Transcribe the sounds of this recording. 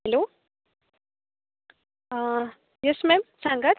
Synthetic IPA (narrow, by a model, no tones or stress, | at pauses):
lo | jesmemsaŋɡɐt̪